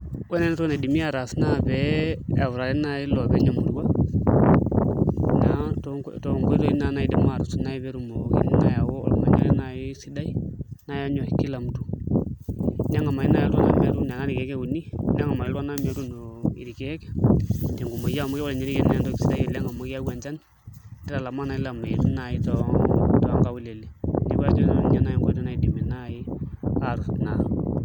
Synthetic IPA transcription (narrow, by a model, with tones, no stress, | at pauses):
wɛ˦ne˦n˦tɔ˦ne˨di˨mi˦a˨ɾa˨sna˦bɛ˨a˨wɾa˨lɛ˦na˨i˦lo˨bɛ˨˦ɲa˨mṵ˨ɾwa˦ | na˦tto˨ŋɡi˦ɾo˦i˦na˨na˦i˦di˦ma˨ɾu˨su˨na˦i˦bɛ˦ɾu˨mo˨kḭ˦nna˨ja˨wo˦ɔ̰lma̰˨ɲa̰˦lɛ˦na˨i˦si˦da˦i˦na˦ja˦ɲo˨i˨kːi˦la˨mtu̥˦ | na˦ŋa˨ma˨i˦na˦ja˨lu˦a˦na̰˦mi˨a˦ɾu˦n˨a˨na˦ni˨kɛ˨˦ke˦u˨ni˦na˦ŋa˨ma˨i˦lwa˦na˦mja˨ɾu˦no˨ḭ˨ɾi˨kɛ˦kɛ̥˨te˨ŋɡu˨mo˨ja˦˨mo˦ki˦ɔ˨lɲa˦ɾi˦kɛ˦na˨˦ja˨ndɔ˦ksi˦da˦ie˨lɛ˦ŋa˨mɔ˨˦ki˦a˦wa˨nt͡ʃa˦n | di˦ɾa˨la˨ma˦na˨i˦la˨ma˨i˨tu˦na˨i˦tɔ˨tɔ˨ŋɡa˦wu˦le˨le˨ni˦ba˦t͡ʃo˦ɲa˨na˨jɛ˦ŋɡʷa˦tu˦na˨i˨di˨mi˨na˦i˦a˦˨ɾu˨tna˨